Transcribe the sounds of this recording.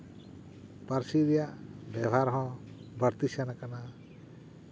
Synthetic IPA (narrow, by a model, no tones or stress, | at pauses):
paɾsiɾɛjaʔbɛbʱaɾɦɔ̃ | bəɾt̪isjanakana